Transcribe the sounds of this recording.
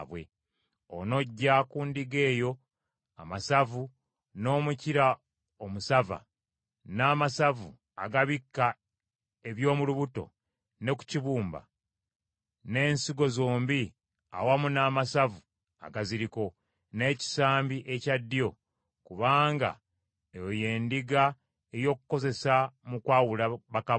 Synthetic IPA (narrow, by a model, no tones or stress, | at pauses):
βwe̞̰ | o̰no̞ɟːakuːndiɡe̞ːjo̞ | amasavu | no̞ːmuciɾa | omusava̰ | naːmasavu | aɡaβikːa | e̞βjo̞ːmuluβuto̞̰ | ne̞ku̥ciβuːmba̰ | ne̞ːnsiɡo̞zo̞ːmbi | a̰wamunaːmasavu | a̰ɡaziɾiko̞ | ne̞ːci̥saːmbiʔe̞cadːijo̞ | kuβaːŋɡa̰ | ejoje̞ːndiɡa | ejo̞ːkuko̞ze̞samukwaːwulaβaka